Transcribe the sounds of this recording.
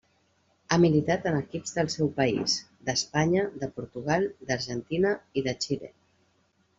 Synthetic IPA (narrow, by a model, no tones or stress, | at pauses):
amilit̪at̪ənəkipzðəlˠsɛwpəḭz | d̪əspaɲəd̪əpuɾt̪uɣ̞alˠd̪əɾʒənt̪inəiðət͡ʃilḛ